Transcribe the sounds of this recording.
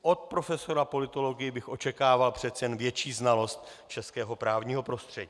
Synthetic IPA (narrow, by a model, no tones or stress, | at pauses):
ʔo̞t̪̚pɾo̞fɛso̞ɾapo̞lɪt̪o̞lo̞ɡɪjɪbɪxʔo̞t͡ʃɛkaːvalpr̥ɛt̪t͡sɛjɛnvjɛt͡ʃiːznalo̞st̪t͡ʃɛskɛːɦo̞pɾaːvɲiːɦo̞pɾo̞st̪r̝̥ɛɟiː